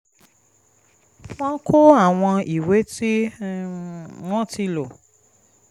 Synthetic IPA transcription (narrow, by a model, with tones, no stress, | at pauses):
w̃ɔ̃˦kʰo˦a˦˨w̃ɔ̃˧i˨we˨˦ti˦ | wɔ̃˦˨ti˧lo˨